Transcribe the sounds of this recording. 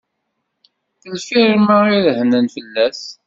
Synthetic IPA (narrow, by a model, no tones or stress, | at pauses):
θəlfiɾmaiðhnənfəlːæθ